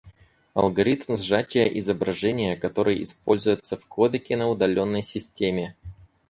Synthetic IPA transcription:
ɐ̰lˠɡɐɾʲit̪mzʐat͡ɕʲɪjəʔɪzəbɾɐʐɛnʲɪjəkɐt̪o̞ɾɨjɪspo̞lʲzʊjʊt̪səfkod̪əkʲɪnəʊd̪ɐlʲo̞nːəjsʲɪsʲtʲemʲɪ

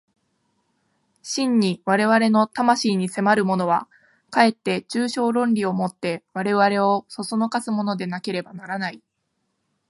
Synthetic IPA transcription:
ɕĩɲ̟ːiβaɾe̞βaɾe̞no̞t̪amaɕiːɲ̟ise̞maɾɯ̟mo̞no̞β̞a | kae̞t̪ːe̞t͡ɕɨːɕo̞ːɾõ̞nɾʲio̞mo̞t̪ːe̞βaɾe̞βaɾe̞o̞so̞sono̞kasɨmo̞no̞d̪e̞nake̞ɾe̞banaɾanai

